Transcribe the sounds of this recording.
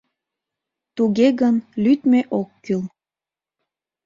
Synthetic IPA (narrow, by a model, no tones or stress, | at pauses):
t̪uɣeɣənlyt̪meʔokːyl